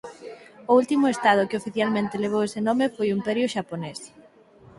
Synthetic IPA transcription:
ʊult̪imʊest̪að̞ʊkɪofiθjalmẽnt̪eleβ̞owesenɔmefojʊimpɛɾjʊʃapones

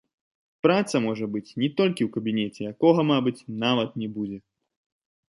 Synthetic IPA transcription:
pɾat̪sɐmɔʐɐbɨt͡sʲnʲɛt̪ɔlʲkʲiwkɐbʲinʲɛt͡sʲɛjakɔɣɐmabɨt͡sʲnavɐt̪̚nʲɛbud͡zʲɛ

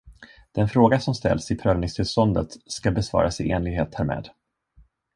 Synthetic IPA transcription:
d̪̥ɛnfɾoːɡasɔmst̪ɛ̰lːsɪt̪ʰɾœːlnɪŋst̪ʰɪlst̪ɔnd̪ət̪skabɛsvɑ̰ːɾasɪʔeːnlɪɡheːt̪hæɾmɛ̰ːd̪

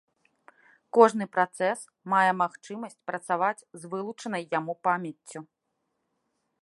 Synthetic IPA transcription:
kɔʐnɨpɾat̪sɛs | majɛmaxt͡ʂɨmɐsʲt͡sʲpɾɐt̪savat͡sʲzvɨlˠut͡ʂɐnɐjːamupamʲjɐt͡sʲːu

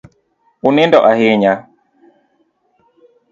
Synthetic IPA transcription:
unendɔʔaheɲa

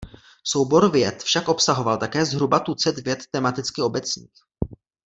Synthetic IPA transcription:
so̞wbo̞ɾvjɛt̪fʃakʔo̞psaɦo̞valt̪akɛːzɦɾubat̪ut͡sɛd̪vjɛt̪ːɛmat̪ɪt͡skɪo̞bɛt͡sɲḭːx

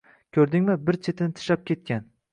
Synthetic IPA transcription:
kʲʰɵɾd̪ɪŋmɪbɪɾt͡ʃʰet̪ʰɪnɪt̪ʰɪ̥ʃap̚kʲʰe̞t̪̚kʲan

